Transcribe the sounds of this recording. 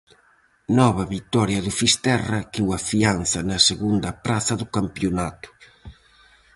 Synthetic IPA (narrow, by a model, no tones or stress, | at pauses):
nɔβɐβit̪ɔɾjɐðʊfist̪ɛrɐkiwɐfianθɐnɐseɣund̪ɐpɾaθɐðʊkampjonat̪ʊ̥